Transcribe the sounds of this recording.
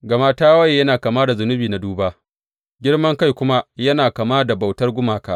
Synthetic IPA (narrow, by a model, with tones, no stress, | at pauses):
ɡɐ˨ma˦taː˦wɐ˦jjɐ˦naː˨kaː˨ma˦da˨zʊ˨nʊ˦biː˨na˨duː˦baː˦ | ɡʲɪ˦rmɐ˦ŋka˦jkʷʊ˦ma˦jɐ˦naː˨ka˨maː˦da˨ba˨wtɐ˦rɡʷʊ˦maː˨kaː˦˨